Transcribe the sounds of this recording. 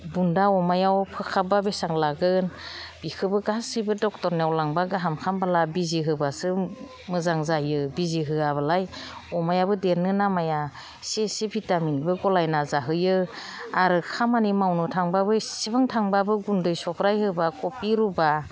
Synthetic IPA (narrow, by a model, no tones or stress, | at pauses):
bundaɔmajawpʰɯkʰababesaŋlaɡɯnb̥ikʰɯbɯɡasɯjbɯdɔk̚tɔɾnawlaŋbaɡɯɦamkʰambalabiziɦɯbasɯ | mɯzaŋzajɯbiziɦɯaβalajɔmajabɯdeɾnɯnamaja | sesebʰitaminbɯɡɔlajnazaɦɯjɯ | aɾɯkʰamanimawnɯtʰaŋbabɯsibaŋtʰaŋbabɯɡundɯjsɔkʰɾajhɯbakɔpiɾuba